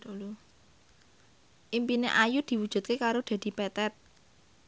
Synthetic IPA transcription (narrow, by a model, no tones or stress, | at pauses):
lu | ʔimpinḛʔajud̪̥i̤wu̥ʒ̥ṳt̪̚kekaɾod̪̥a̤d̪̥i̤pɛt̪ɛt̪̚